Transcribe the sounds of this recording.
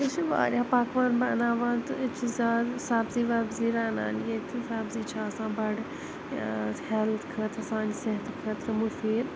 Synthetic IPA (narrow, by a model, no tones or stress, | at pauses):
ɪt͡ʃʰiʋa̰ːɾʲjaːpaːkʋaːnbɐnaːʋaːnt̪ɐɪt͡ʃʰizʲaːd̪saːbziːʋaːbziːɾaːna̰ːnjet̪ʰisaːbziːt͡ʃʰaːsãːbɐɖ | helt̪ʰkʰɐt̪ʰɐsãːnd͡ʒseɦɐt̪kʰɐt̪ʰɐmufiːɾ